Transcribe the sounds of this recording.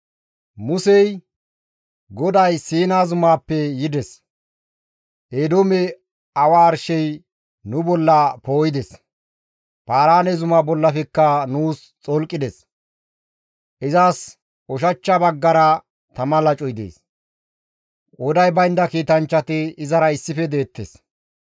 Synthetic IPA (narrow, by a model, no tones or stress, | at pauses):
mʊsɛj | ɡɔd̪ɐjsiːnaːzʊmaːpːɛjɪd̪ɛs | ʔeːd̪omɛ | ɐwaːɾʃɛj | nʊbɔlːɐpo̞ːjɪd̪ɛs | paːɾaːnɛzʊmaːbɔlːɐfɛkːɐnuːs | t͡sʼɔlkʼːɪd̪ɛs | ʔɪzaːs | ɔʃɐt͡ʃːɐbɐɡːɐɾɐ | t̪ɐmɐlɐt͡ʃʼɔjd̪ḛːs | ʔɔd̪ɐjbɐɪnd̪ɐkiːt̪ɐnt͡ʃːɐt̪ɪɪzɐɾɐɪsːɪfɛd̪e̞ːt̪ːḛs